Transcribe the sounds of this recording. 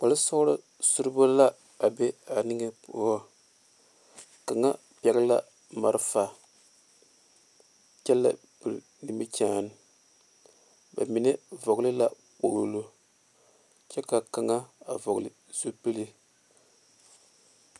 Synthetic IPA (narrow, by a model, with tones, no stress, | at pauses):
k͡pa˨lɨ˦sa˦ʊ˦ɾɨ˦ | su˦ɾɨ˦bo˦la˦ | a˨be˦a˨nɪ˦ŋɛ˦pu˦a˦ | ka˨ŋa˦ | pɛ˦ɡɨ˦la˦ | ma˦ɾɨ˦fa˨ | t͡ʃɛ˦lːa̰˦ | bɨ˨ɾ | nɨ˨mi˦t͡ʃaː˦n˨ | ba̰˨mi˨nɛ˦vɔ˨ɡlɨ˦la˦ | k͡po˨ɾo˨lo˦ | t͡ʃɛ˦ka˨ka˨ŋa˦a˨vɔ˨ɣlɨ˨ | z̥u˦pɨ˦li˦